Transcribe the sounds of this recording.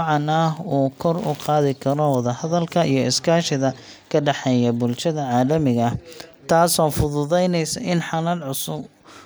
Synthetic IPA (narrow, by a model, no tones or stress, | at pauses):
ʕɑnauːkʰɔrʊ̰qɑːðɪkʰɐɾɔwɑðɐhɐðɐlkʰɐʔijɞɪskʰaːʃɪðɐ | kʰɐɖɑħɛjɐbʊlʃɐðɐʕɑːlɐmɪɣɐt̪ʰaːsɔːfʊðʊðɛjnɛjsɐʔɪnħɑnɐlʕʊsʊb